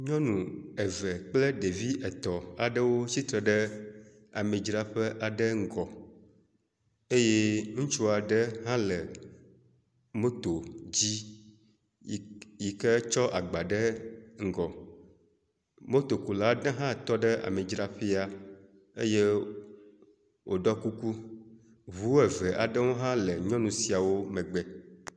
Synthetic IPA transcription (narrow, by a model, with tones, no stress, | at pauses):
ɲɔ̃˦nũ˨ɛ˨vɛ˨k͡plə˦ɖe˨vi˦ʔɛ˨t̪ɔ˨a̰˨ɖə˦wo˦si˦t̪ɾə˨ɖə˦ | a̰˨mẽ˨d͡ʒɾa˦ɸə˦ʔa˨ɖə˦ŋ̩˦ɡɔ˨ | e˦je˦ŋũ˦t͡ʃu˦a˨ɖə˦ɦã˦lə˨ | mo˦t̪o˨d͡ʑi˦˨ | ji˨kə˦t͡ʃɔ˦ʔa˨ɡ͡ba˨ɖə˦ŋ̩˦ɡɔ˨ | mo˦t̪o˨ku˨la˦ɖã˦ɦã˦t̪ɔ˦ɖə˦a̰˨mẽ˨d͡ʒɾa˦ɸe˦a˨ | e˦je˦ | wʔo˨ɖɔ˦ku˦ku˦ | βu˨˦e˨vɛ˨ʔa˨ɖə˦wo˦ɦã˦lə˨ɲɔ̃˦nũ˨si˨a˨wo˦mɛ̃˨ɡ͡bɛ˨